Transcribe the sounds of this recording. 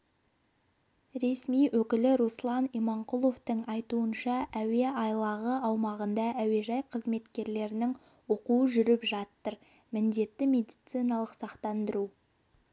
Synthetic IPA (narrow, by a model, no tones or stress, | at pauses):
ɾe̞smijwʔɵkʲɪlɪɾuslˠɑnimɑɴqulˠo̞ft̪əɴɑjt̪uənʃɑʔæwe̞ɑjlˠɑʁəɑwmɑʁənd̪ɑʔæwe̞ʒɑjqʰəzme̞t̪kʲe̞ɾle̞ɾɪnɪŋ | wo̞quəʒʏɾɪpʒɑt̪ːəɾ | mɪnd̪e̞t̪ːɪmʲe̞d̪ijt̪sijnɑlˠəqsɑqt̪ɑnd̪əɾu